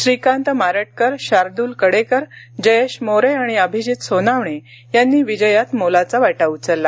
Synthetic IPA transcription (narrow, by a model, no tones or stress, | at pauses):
ɕɾikãnt̪əmaɾəʈ̚kəɾɕaɾd̪uːlkəɽekəɾ | d͡ʑəjeɕmoɾeaɽ̃iəbʱid͡ʑit̪sonaʋɳe | janːiːʋid͡ʑəjat̪molat͡saʋaʈaut͡səlːa